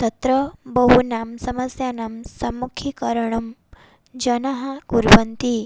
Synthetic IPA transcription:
t̪ɐt̪ɾəbəɦunamsɐməsjanamsɐmukʰikəɾɳ̃um | d͡ʒɐnaɦɐkuɾʋɐnt̪i

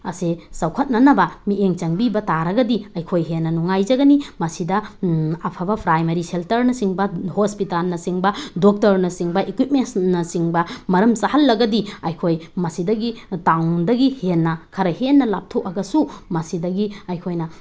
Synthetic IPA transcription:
ɐsesɐwkʰɐt̚nɐnɐbɐmieŋt͡ʃɐŋbibɐtaɾɐɡɐdiɐjkʰojɦenːɐnuŋajd͡ʒɐɡɐnimɐsidɐɐpʰɐbɐpʰɾajmɐɾiseltɐɾnɐsiŋbɐhospitalnɐsiŋbɐdok̚tɐɾnɐsiŋbɐʔekwip̚mensnɐsiŋbɐmɐɾɐmsahɐlːɐɡɐdiɐjkʰojmɐsidɐɡitawdɐɡihenːɐkʰɐɾɐhenːɐlap̚tʰokɐɡɐsumɐsidɐɡiɐjkʰojnɐ

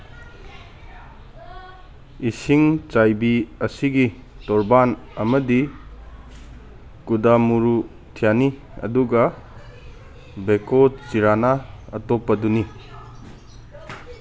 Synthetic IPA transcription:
isiŋt͡ʃajbiɐsiɡi | tɔɾban | ɐmɐdi | kudamuɾu | tʰijani | ɐ̰duɡɐ | bekot͡ʃiɾanaɐ̰topːɐduni

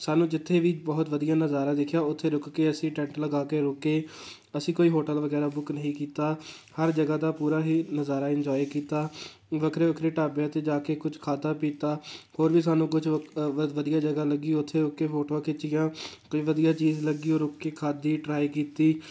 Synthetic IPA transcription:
saːnũːd͡ʒɪt̪ʰːeːʋiːbɔːt̪ʋəd̪ijaːnəzaːɾãːd̪ɪkʰjaːʊt̪ʰːeːɾʊkkeːəsĩːʈɛ̃ːɳʈləɡaːkeːɾʊkeː | əsĩːkoːiːɦoːʈəlʋəɡɛːɾaːbʊknəɦĩːkiːt̪aːhəɾd͡ʒəɡaːd̪aːpuːɾaːɦiːnəzaːɾaːɪɲd͡ʒɔːikiːt̪aː | ʋəkʰɾeːʋəkʰɾeːʈaːbeaːt̪eːd͡ʒaːkeːkʊt͡ʃʰkʰaːd̪aːpiːt̪aːhoːɾʋiːsaːnũːkʊt͡ʃʋəd̪ɪjaːd͡ʒəɡaːləɡiːʊt̪ʰːeːɾʊkːeːfʰoːʈoːakʰɪt͡ʃɪjãːkoiːʋəd̪ijaːt͡ʃiːzləɡiːoːɾʊkːeːkʰaːd̪iːʈɾaːiːkiːt̪iː

